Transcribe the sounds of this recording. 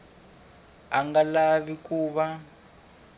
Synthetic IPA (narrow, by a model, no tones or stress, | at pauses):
aŋɡalaβikuːβa